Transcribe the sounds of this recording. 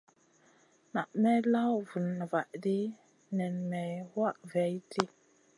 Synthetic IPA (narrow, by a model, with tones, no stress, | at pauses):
na˨ʔmɛ˦la˦wvu˨nːə˨va˨ʔdi˦ | nɛ˨nmɛ˨wa˦ʔvɛ˨˦jti˦